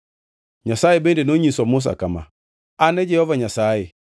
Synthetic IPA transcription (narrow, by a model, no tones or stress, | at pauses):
ɲasajebɛndenoɲisɔmus̬a̰kama̰ | anɛd͡ʒɛjɔvaɲasajɪ